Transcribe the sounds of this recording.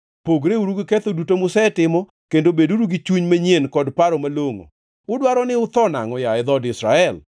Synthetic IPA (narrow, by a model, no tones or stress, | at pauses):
poɡɾeuɾuɡiket̪odutomʊsɛtɪmɔ | kendobeduɾuɡit͡ʃuɲmaɲjenkɔdpaɾɔmaloŋo̰ | ʊdwaɾɔnɪʊt̪ɔna̰ŋɔjaɛd̪ɔdɪsɾa̰ɛl